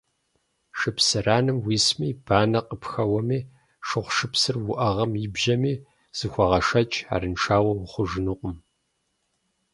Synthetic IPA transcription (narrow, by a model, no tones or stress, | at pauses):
ʂɨpʰsɨraːnɨmwiːsmiːb̥aːnɐqʼəpxɐwɐmiː | ʃɨχʷʃɨpsɨrwʊʔɐʁɐmibʒɐmiː | z̥ɨxʷɐʁɐʂɐt͡ʃʼa̰ːɾɨnʈ͡ʂʰaːwɐwʊχʷʊʒɨnɨqʷʼʊm